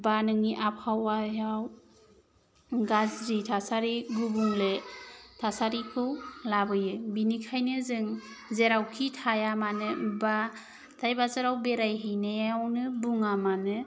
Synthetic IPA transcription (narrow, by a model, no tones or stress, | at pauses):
banɯŋiʔap̚hawajaw | ɡazɾitʰasaɾiɡubuŋletʰasaɾikʰɯwlabɯjɯbinikʰajnɯzɯŋ | zeɾawkʰitʰajamanɯba | tʰajbazaɾawbeɾajɦijnajawnɯbuŋamanɯ